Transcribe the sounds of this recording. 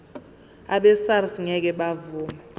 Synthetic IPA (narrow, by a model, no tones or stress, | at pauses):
aɓɛsarsiŋɛk̬ɛɓavuːma